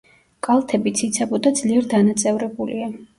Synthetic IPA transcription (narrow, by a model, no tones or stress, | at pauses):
kʼalˠt̪ʰɛbit̪sʰit̪sʰɛbɔd̪ad̪zliɛɾd̪anat̪sʼɛvɾɛbulḭa